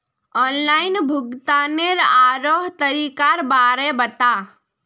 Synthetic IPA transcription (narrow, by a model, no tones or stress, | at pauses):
ɔːnlaːɪnbʱʊɡt̪aːneɾaːɾoːɦt̪əɾiːkaɾbaːɾebɐt̪aː